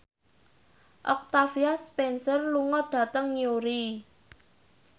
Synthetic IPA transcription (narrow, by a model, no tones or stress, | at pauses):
ʔɔk̚t̪afiaspɛnsərluŋɔɖ̥ä̤t̪əŋjoɾi